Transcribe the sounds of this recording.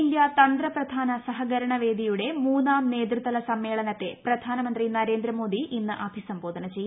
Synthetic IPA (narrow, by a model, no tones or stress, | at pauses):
ljɐt̪ɐnd̪ɾɐprɐd̪ʱaːnɐsɐɦɐɡɐɾɐɳɐʋe̞ːd̪ʱijuɽe̞muːnːaːmne̞ːd̪rut̪ːɐlɐsɐmːe̞ːɭɐnɐt̪ːe̞prɐd̪ʱaːnɐmɐnd̪rinɐɾe̞ːnd̪ɾɐmo̞ːd̪iʔinːɨʔɐbʱisɐmbo̞ːd̪ʱɐnɐt͡ɕe̞j